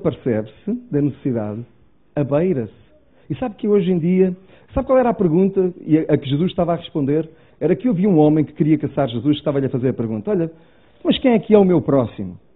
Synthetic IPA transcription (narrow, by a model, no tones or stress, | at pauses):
pɨɾsɛβsɨd̪ɐnɨsɨ̥siða̰ð | ɐβɐjɾɐs | isaβkeoʒẽj̃d̪iɐ | saβkwalˠɛɾapɨɾɣũnt̪ɐiɐʔɐkɨʒɨzuʃt̪avaʁɨʃpõnd̪eɾ | ɛɾɐkewɐviũɔmɐ̃j̃kɨ̥kɨɾiɐkɐsaɾʒɨzuʃʃt̪avɐʎɐfɐzeɾɐpɨɾɣũnt̪ɐɔʎɐ | mɐʃkẽj̃ɛkɛumewpɾɔsḭmu